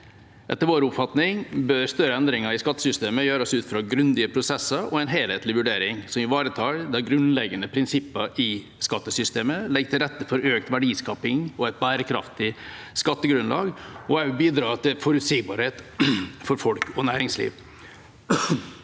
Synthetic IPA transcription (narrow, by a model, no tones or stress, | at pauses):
ʔɛ̰t̪ːəɾʋoːɾəʊpfɑt̪nɪŋbœɾst̪œɾəɛnd̪ɾɪŋəɾɪskɑt̪ːə̥sʏst̪eːməjøːɾɔsʉːt̪fɾɑɡɾʉnd̪ɪəpʰɾʊsɛsːəɾɔ̰ɛnɦeːlheːt̪lɪʋʉɖeːɾɪŋsɔmɪʋɑːɾət̪ʰɑːɾd̪æɾɡɾʉnlɛɡənəpʰɾɪnsɪpːəɾɪ | skɑt̪ːəsʏst̪eːməlɛɡ̚t̪ʰɪlɾɛt̪ːəfɔɾøːk̚t̪ʋæɖiːskɑːpɪŋɔɛɪt̪̚bæːɾəkʰɾɑ̰ft̪ɪ | skɑt̪ːəɡɾʉnlɑ̰ːɡɔɑʉbiːd̪ɾɑːt̪ʰɪlfɔɾʉt̪siːɡbɑːɾheːt̪fɔɾfɔlkʰɔnæːɾɪŋslḭːʋ